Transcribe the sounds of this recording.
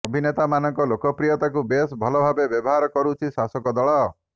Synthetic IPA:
ɔbʱinet̪amanɔŋkɔlokɔpɾijɔt̪akubesbʱɔlɔbʱabebjɔbɔɦaɾɔkɔɾut͡ʃʰisasɔkɔd̪ɔɭɔ

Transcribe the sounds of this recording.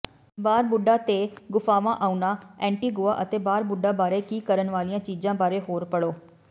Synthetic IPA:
baːɾbʊɖaːt̪eːɡʊfʰaːʋãːʔaːunaːɛ̃ːɳʈiːɡoːaːʔət̪eːbaːɾbʊɖaːbaːɾeːkiːkəɾənʋaːlijãːt͡ʃiːzãːbaːɾeːɦoːɾpəɽoː

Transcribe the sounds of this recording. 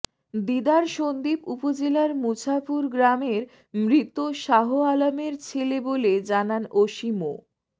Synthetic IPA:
d̪id̪aɾʃond̪ipupod͡ʑelaɾmut͡ɕʰapuɾɡɾameɾ | mɾit̪oʃaɦoalameɾt͡ɕʰeleboled͡ʑananoʃimo

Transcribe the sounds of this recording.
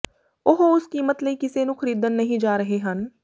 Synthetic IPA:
ʊɦoʊskiːmət̪ləiːkɪseːnũːkʰəɾiːd̪ənːəɦĩd͡ʒaːɾəɦeɦən

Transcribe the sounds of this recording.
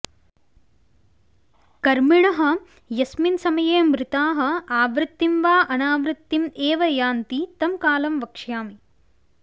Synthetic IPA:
kɐɾmiɳɐɦɐ̆ | jɐsminsɐmɐjeːmɾɪt̪aːɦɐ̆aːʋɾɪt̪ːimʋaːʔɐnaːʋɾɪt̪ːimeːʋɐjaːnt̪it̪ɐmkaːlɐmʋɐkʂjaːmi

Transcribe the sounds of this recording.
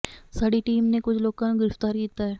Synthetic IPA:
saːɽiʈiːmnekʊt͡ʃʰloːkãnɡɪɾəft̪aːɾkiːt̪aɦɛː

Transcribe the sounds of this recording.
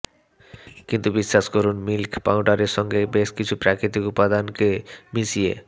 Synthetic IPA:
kint̪ubiʃːaʃkoɾunmilkpawɖaɾeɾʃɔŋɡebeʃkit͡ɕʰupɾakʰɾit̪ikupːad̪ankemisiḛ

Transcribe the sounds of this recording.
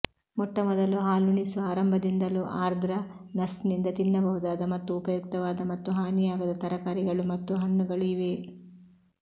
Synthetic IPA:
mɔʈːɐmɔd̪ɐluɦaːluɳisuaːɾɐmbʱɐd̪ind̪ɐluʔaːɾd̪ʱɾɐ | nɐsnind̪ɐt̪inːɐbɐɦud̪aːd̪ɐmɐt̪ːuːpɐjuk̚t̪ɐʋaːd̪ɐmɐt̪ːuɦaːnijaːɡɐd̪ɐt̪ɐɾɐkaːɾiɡɐɭumɐt̪ːuɦɐɳːuɡɐɭuiʋe

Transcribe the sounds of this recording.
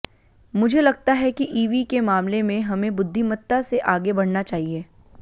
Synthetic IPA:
mʊd͡ʒʱelɐɡ̚t̪aɦɛkiʔiːʋikemaːmlemẽɦɐmẽbʊd̪ʱːimət̪ːaseʔaːɡebɐɽ̤nat͡ʃaːɦieː

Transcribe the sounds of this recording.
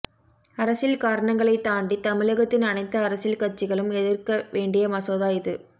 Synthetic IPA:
ɐɾɐsɪlkaːɾɐɳɐŋɡɐɭɐɪt̪ːaːɳɖit̪ɐmɪɭɐɣɐt̪ːɪnɐnɐɪt̪ːɐːɾɐsɪlkɐt͡ʃːɪɣɐɭɯmɛðɪrkɐʋeːɳɖɪjɐmɐsoːðaːjɪðɯ

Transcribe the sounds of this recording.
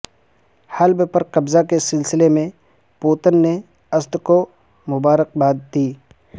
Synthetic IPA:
hɐlbpəɾqɐbzakesɪlsɪlemẽ | poːt̪ənːe | ɐsd̪ko | mʊbaːɾəq̚baːd̪̚t̪iː

